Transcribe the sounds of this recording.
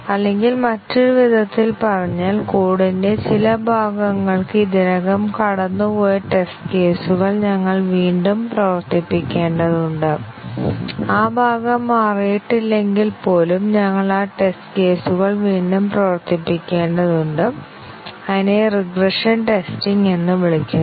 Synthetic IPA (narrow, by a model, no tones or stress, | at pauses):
ɐlːe̞ŋɡilmɐtːuɾuʋid̪ʱɐt̪ːilpɐrɐɲːaːlkuːɽinde̞t͡ɕilɐbʱaːɡɐŋːɐɭkɨid̪iɾɐɣɐmkɐɽɐnːupoːjɐʈe̞stke̞ːsuɣɐɭɲɐŋːɐɭʋiːɳɖumprɐʋɐrt̪ipːikʲːe̞ːɳɖɐðuɳɖɨ | aːbʱaːɡɐmaːrijiʈːilːe̞ŋɡilpo̞ːlumɲɐŋːɐɭaːʈe̞stke̞ːsuɣɐɭʋiːɳɖumprɐʋɐrt̪ipːikʲːe̞ːɳɖɐðuɳɖɨ | ɐðine̞riɡreʂɐnʈe̞stiŋɡenːɨʋiɭikʲːu